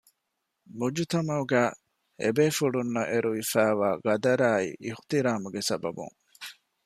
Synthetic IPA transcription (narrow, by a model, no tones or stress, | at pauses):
mud͡ʒut̪ɐmɐuɡæː | ḛbeːfuɖunːɐʔeɾuʋifæːʋaːɡɐd̪ɐɾaːḭʔiht̪iɾaːmuɡesɐbɐ̰bṵŋ